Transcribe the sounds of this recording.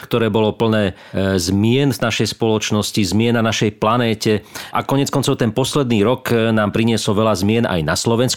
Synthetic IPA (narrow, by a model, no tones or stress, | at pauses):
kt̪ɔɾɛːbɔlɔpl̩nɛː | zmɪɛnvnaʃɛjspɔlɔt͡ʃnɔscizmɪɛnːanaʃɛjplanɛːcɛʔakɔɲɪɛt͡skɔnt͡sɔʊt̪ɛnpɔslɛd̪niːɾɔknaːmpɾiɲɪɛsɔʋɛlazmɪɛna̰jnaslɔʋɛns